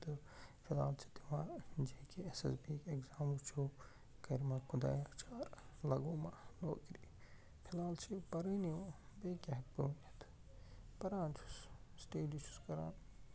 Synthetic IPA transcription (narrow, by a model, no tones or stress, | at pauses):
t̪ɨ | pʰila̰ːlt͡ʃʰi̥t̪imaːd͡ʒekʰeesɐ̰sbiːkekzaːmut͡ʃʰo | kɐɾmakʰʊd̪a̰ːjat͡ʃʰaːɾlɐɡoːmano̰ːkɾi | pʰilaːlt͡ʃʰipɐɾiniobeːkʲeɦɐt̪̚puːnt̪ʰ | pɐɾaːnt͡ʃʰu̥ssteːlit͡ʃʰu̥skɐɾa̰ːn